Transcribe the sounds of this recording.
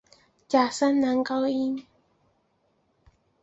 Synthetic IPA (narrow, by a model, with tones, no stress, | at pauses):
t͡ʃa˨sa˦na˨˦ŋka˦wi˦n